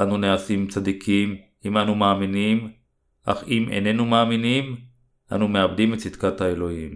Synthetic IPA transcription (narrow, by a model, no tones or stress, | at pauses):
ʔanuneasimt͡sad̪ikʰim | imanumaːminim | ʔa̰χimʔḛne̞numaːminim | ʔa̰nume̞abd̪imet̪sid̪kat̪haelo̞him